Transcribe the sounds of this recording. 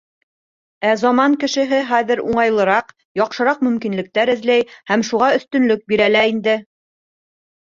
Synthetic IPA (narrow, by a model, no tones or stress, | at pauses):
æzɑmɑŋkɘ̆ʃɘ̆ɦɘχæðɘ̆ɾuɴɑjlˠɤ̆ɾɑq | jɒqʃɤ̆ɾɑqmɵ̆mkinlɘ̆k̚t̪æɾɘ̆ðlæjhæmʃuʁɑɵ̆θt̪ɵ̆nlɵk̚biɾælæind̪ɘ